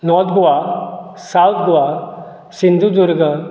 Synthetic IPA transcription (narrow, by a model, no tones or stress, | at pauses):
nɔːt̪ʰɡuʋasawt̪̚ʰɡoʋa | sind̪ʱud̪ʊɾɡə